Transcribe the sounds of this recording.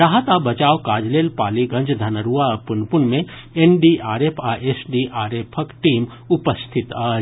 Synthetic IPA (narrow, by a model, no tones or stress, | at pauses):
ɾaːɦət̪aːbɐt͡ʃaːʋkaːd͡ʒleːlpaːliɡɐ̃ɲd͡ʒd̪ʱɐnəɾuːapʊnpʊnmẽ | enɖiʔaːɾeːpʰaʔesɖiʔaːɾeːpʰəkʈiːm | ʊpəst̪ʰɪt̪aː